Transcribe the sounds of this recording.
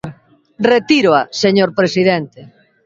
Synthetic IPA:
ret̪iɾoaseɲoɾpɾesiðent̪e

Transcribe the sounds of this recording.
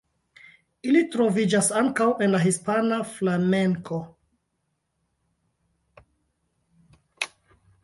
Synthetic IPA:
ilitɾo̞vid͡ʒasaŋkawʔe̞nlaɦispanaflame̞ŋkʰo̞

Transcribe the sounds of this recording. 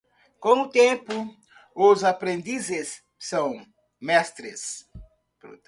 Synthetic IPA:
kõmʊt̪ẽmpʊ | ʊzapɾẽnd̪izesː | ɐ̃w̃ | mɛst̪ɾɪs | pɾṵt̪

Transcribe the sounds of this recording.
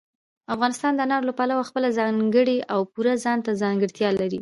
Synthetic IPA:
afɣɑnɪst̪ɑnd̪ənɑɾlapalawaxpəlazɑŋɡəɽeʔawpuɾazɑnt̪azɑŋɡəɽt̪jɑlaɾi

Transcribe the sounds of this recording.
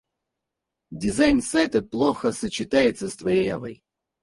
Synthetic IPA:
dʲɪzajnsɛt̪əplˠoxəsət͡ɕɪt̪ajɪt̪səst̪vɐɾeja̰vəj

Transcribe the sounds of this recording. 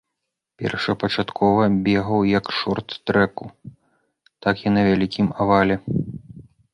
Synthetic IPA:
pʲɛ̰rʂɐpɐt͡ʂat̪kʰɔvɐbʲɛɣɐwjɐkʂɔrt̪ːɾɛku | t̪akinɐvʲalʲikʲimavalʲɛ

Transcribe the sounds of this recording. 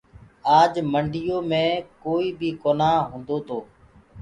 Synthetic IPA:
aːd͡ʒməɳɖɪjoːmẽːkoːiːbiːkoːnaːɦũːnd̪oːt̪ʰoː

